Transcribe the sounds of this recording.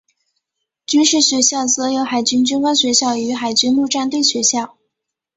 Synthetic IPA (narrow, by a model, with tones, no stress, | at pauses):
t͡ɕy˥nʂɻ̩˥˩ɕɥɛ˧˥ɕjɑ˥˩ʊt͡sɤ˧˥jo˧˥ʊxa˨˩ɪt͡ɕy˥nt͡ɕy˥nkwa˥ŋɕɥɛ˧˥ɕjɑ˥˩ʊy˧˥xa˨˩ɪt͡ɕy˥nlu˥˧ʈ͡ʂa˥˧nt̪we˥˩ɪɕɥɛ˧˥ɕjɑ˥˩ʊ